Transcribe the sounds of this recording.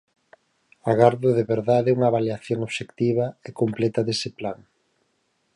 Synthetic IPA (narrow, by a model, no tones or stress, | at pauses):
aɣaɾðoðeβeɾðaðeuŋɐβaljaθjoŋoβʃekt̪iβ̞ɐekomplɛt̪ɐðesɪplaŋ